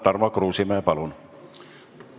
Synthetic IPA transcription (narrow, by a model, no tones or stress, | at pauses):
t̪ɑrmɑkruːsimæːpɑlun